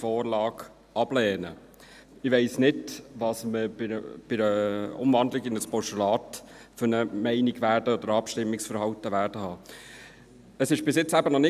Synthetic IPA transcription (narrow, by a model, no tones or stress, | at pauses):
fɔːɾlɑːɡ | ʔɑb̥lɛːnə | ɪʋɛɪsnɪdʋɑsməɪb̥ɪɾəʊ̰mvɑnd̪lɪɡɪnəspɔʃulɑːt | fʏnəmæɪniɡʋæːɾd̥əɔd̥̪əɾɑpʃtɪmːɪksfəɾhɑwtəʋæːɾd̥əhɑː | əsɪʃb̥ɪsjɪt͡sːæbənɔnɪ